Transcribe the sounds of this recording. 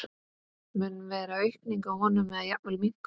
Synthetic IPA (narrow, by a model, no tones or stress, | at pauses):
mʏnvɛːɾaœɥhkniŋkawhɔːnʏmːɛðaðjat̪vɛlmiŋ̥k